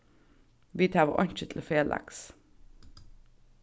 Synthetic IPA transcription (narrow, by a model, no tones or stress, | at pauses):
ʋiːt̪ʰɑːʋəʔɑɲc͡çət̪ʰl̩oːfeːlʔæ̰ks